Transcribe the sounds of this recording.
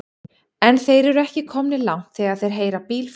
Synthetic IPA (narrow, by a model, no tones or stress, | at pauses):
ɛnθejɾɛɾʏɛhcɪkʰɔmnɪlawŋ̥t̪θɛaðθejɾ̥ɦeːjɾapiːlf